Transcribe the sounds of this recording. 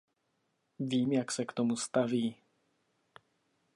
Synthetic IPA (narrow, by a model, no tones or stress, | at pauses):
viːmjaksɛkt̪ɔmust̪aviː